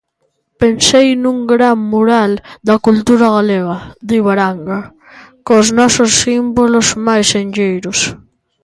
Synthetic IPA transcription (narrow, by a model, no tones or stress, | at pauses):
pensejnũŋɡɾaŋmuɾald̪akult̪uɾaɣaleɣaðiβaɾaŋɡa | koznɔsʊsːimbolozmajsend͡ʒejɾʊs